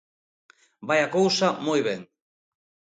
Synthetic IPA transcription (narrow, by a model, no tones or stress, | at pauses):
bajakawsamojβen